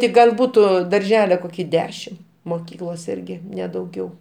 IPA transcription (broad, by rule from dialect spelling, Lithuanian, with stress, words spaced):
tʲɪ ˈɡɐlˠ ˈbuːtʊ dɐrʲˈʒʲæːlʲɛ ˈkoːkʲɪ ˈdʲæːʃʲɪm moːˈkʲiːklˠoːs ˈɪrʲɡʲɪ ˈnʲɛ dɐʊˈɡʲɛʊ